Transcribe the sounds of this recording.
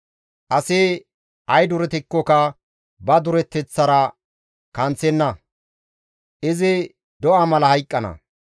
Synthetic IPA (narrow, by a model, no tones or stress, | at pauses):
ʔɐseː | ʔɐjd̪ʊɾɛt̪ɪkːɔkɐ | bɐd̪ʊɾɛt̪ːɛt͡sːɐɾɐ | kɐnt͡sːɛnːɐ | ʔɪzɪ | d̪ɔʔamɐlɐhɐjkʼːɐnɐ̰